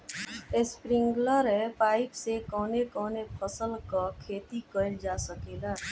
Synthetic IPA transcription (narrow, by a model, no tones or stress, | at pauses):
espɾɪ̃ŋɡləɾepaːɪpsekɔːnekɔːnepʰəsəlkɔkʰeːt̪ikəɪld͡ʒaːsəkeːɡ̪aː